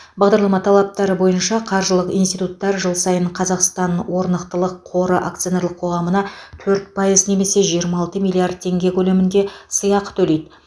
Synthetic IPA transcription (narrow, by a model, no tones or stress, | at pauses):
bɑʁd̪ɑɾlˠɑmɑt̪ʰɑlˠɑp̚t̪ɑɾəbo̞jənʃɑqʰɑɾʒəlˠəqḭjnst̪ijt̪ut̪ːɑɾʒəlˠsɑjəɴqʰɑzɑqst̪ɑnwo̞ɾnəqt̪əlˠəqʰːo̞ɾəʔak̚t̪sijoneɾlˠəqʰːo̞ʁɑmənɑt̪ʰɵɾt̪̚pʰɑjəzne̞me̞se̞ʒijəɾmɑɑlˠt̪əmijlʲˠiard̪̚tʰe̞ŋɡʲe̞kʲʰɵlemɪnd̪e̞səjɑqət̪ʰɵle̞jd̪ɪ